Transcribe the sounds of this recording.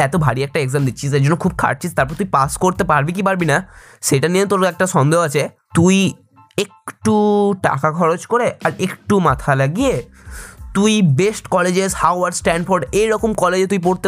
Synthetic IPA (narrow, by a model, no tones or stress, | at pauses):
ɛt̪obʱa̰ɽiɛk̚ʈaeɡzamd̪iːt͡ɕʰised͡ʑonːokʰub̚kʰa̰ʈ̚t͡ɕʰist̪aɾp̬ɔɾt̪uipaskoɾt̪epaɾbik̬ipaɾbina | ʃejʈaniet̪oɾɛk̚ʈaʃɔnd̪eɦoat͡ɕʰe | t̪uj | ek̚ʈuʈa̰kakʰɔɾot͡ɕkoɾeaɾekʈumat̪ʰalaɡie | t̪ujbesʈkɔled͡ʑeshawaɾɖsʈɛɳɖfoɾɖejɾɔkomkɔled͡ʑet̪uip̬oɾt̪e